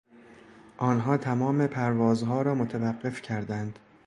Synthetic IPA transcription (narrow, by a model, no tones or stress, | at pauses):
ʔɒːnɦɒːt̪ʰæmɒːme̞pʰæɾvɒːzɦɒːɾɒːmot̪ʰævæɢːe̞fcʰæɾd̪ænd̪̥